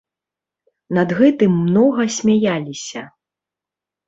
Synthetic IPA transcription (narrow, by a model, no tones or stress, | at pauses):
nɐd̪ɣɛt̪ɨmːnɔɣɐsʲmʲajalʲisʲɐ